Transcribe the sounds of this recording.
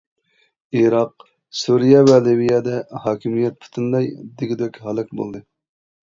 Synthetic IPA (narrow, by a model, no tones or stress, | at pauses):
iɾɑq | suɾijɛvɛlivijɑd̪ɛhɑːkʲʰimijɛt̪̚pʰu̥t̪ʰɨnd̪ɑjd̪ɪɡʲid̪ɛkʲhɑlˠɨkbo̰lˠd̪ɨ